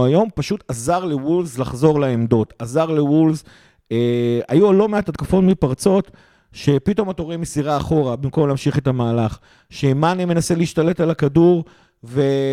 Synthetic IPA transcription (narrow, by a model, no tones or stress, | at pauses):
ajo̞mpaʃut̪azaʁlewulzlaχzo̞ʁlaemd̪o̞tazaʁlewulz | ea̰jualo̞meat̪at̪̚kufo̞tmipaʁt͡so̞t | ʃe̞pito̞matoʁemisiʁaːχo̞ʁabimko̞mleaːmʃiχetamaːlaχ | ʃemaneme̞naseliːʃt̪ale̞talakaduʁ | ve